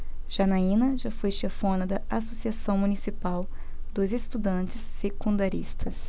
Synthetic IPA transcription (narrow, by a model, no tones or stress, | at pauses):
ʒ̥anaĩnɐʒafojʃefõnɐd̪ɐasosiasɐ̃w̃munisipaw | d̪ʊzest̪ud̪ɐ̃nt͡ʃɪsːekũnd̪aɾist̪ʰɐs